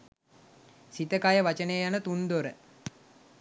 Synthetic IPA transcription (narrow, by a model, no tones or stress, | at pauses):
sit̪əkajəʋat͡ʃənejjanət̪und̪oɾə